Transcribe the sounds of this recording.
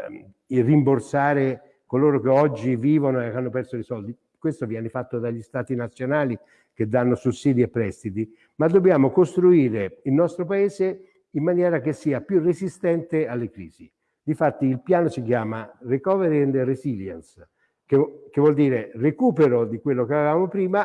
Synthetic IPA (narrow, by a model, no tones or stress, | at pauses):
irimborsaːɾe | koloːɾokeɔd͡ʒːiviːvonoekːanːopɛrsoisɔld̪i | kwest̪ovjɛːnefat̪ːod̪aʎːist̪aːt̪inat̪sːjonaːli | ked̪anːosusːiːd̪iepːɾɛst̪it̪i | mad̪ːobːjaːmokost̪ɾuiːɾeilnɔst̪ɾopaeːze | imːanjɛːɾakesːiːapjurezist̪ɛnt̪ealːekɾḭːzi | d̪ifat̪ːiːlpjaːnosikjaːmarekɔveɾnd̪reziljɛ̰ns | kekevːwɔld̪iːɾerekuːpeɾod̪ikwelːokeavevaːmopɾiːma